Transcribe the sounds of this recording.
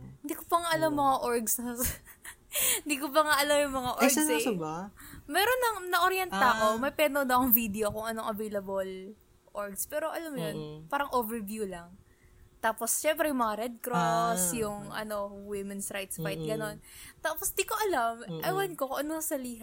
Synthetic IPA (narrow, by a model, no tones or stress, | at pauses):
hɪnd̪ikopɐŋaʔɐlamːɐŋaʔoɹɡss | hɪnd̪ikopɐŋaʔɐlamjʊŋmɐŋaʔoɡɐsaɐbamɛːɾonːɐŋnɐʔoɾjɛnt̪ako̞mɐjpɛnod̪ɐʔɐkoŋvid̪ɛokʊŋʔɐnoŋʔɐvejlɐbol | ʔoɹɡspɛːɾo̞ʔɐlamːjonpaːɾɐŋʔoːvɛɹvjuːlɐŋ | t̪aːpo̞sʃɛmpɾɛjʊŋmɐŋaɾɛd̪̚kɾosjʊŋʔɐ̰no̞wimɛnsɾajt̪spajt̪̚ɡɐno̞nt̪aːposd̪ikoʔɐlamʔɐjwankokoʔɐnoŋɐsɐliːɦɐ